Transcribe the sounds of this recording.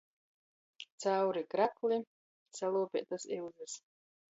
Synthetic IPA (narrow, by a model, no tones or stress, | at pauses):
t̪sawɾikɾakli | salˠuːpʲɛ̰t̪asiwzɨs